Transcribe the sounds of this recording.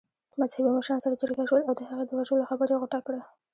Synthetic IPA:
mazhabimaʃansaɾat͡ʃʊɾkaʃwəlawd̪əhaɣad̪əwad͡ʒoloxabəɾjeɣʊʈakɽə

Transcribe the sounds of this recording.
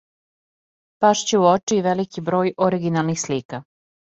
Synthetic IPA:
paʃt͡ɕeuot͡ʃiːʋelikibɾo̞ːjoɾiɡinalˠnixsliːka

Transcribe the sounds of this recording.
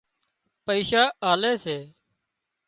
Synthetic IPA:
pəiːʃaːʔaːleːseː

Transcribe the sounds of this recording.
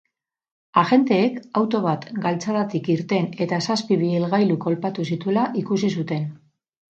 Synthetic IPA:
aʝe̞nt̪e̞ːkawt̪o̞β̞at̪ɡalt͡saðat̪ikiɾt̪e̞ne̞t̪asaspiβielɣajluko̞lpat̪usit̪ue̞laʔikusis̬ut̪e̞n

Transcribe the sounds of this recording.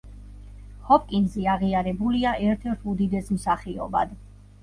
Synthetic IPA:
hɔp̚ʼkʼinɡzɛaʁiaɾɛbuliaʔɛɾt̪ʰɛɾt̪ʰud̪id̪ɛsmsaχiɔ̰ba̰d̪

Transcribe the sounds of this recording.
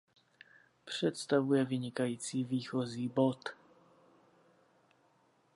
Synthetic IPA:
pʂɛt̪st̪avujɛvɘɲikajt̪sivʲixɔzibɔt̪

